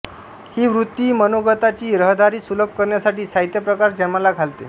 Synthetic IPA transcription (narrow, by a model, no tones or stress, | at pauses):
hiːʋɾut̪ːiːmənoɡət̪at͡ɕiːɾəɦd̪aɾiːsuləb̚ʱkəɾɳjasaʈiːsajt̪jəpɾəkaɾd͡ʑɛm̤alaɡʱalt̪ḛ